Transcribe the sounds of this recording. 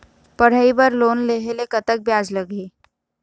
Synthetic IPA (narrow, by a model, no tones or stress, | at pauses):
pɐɽ̤əibəɾloːnleːɦelekɐt̪ək̚bjaːd͡ʒlɐɡiː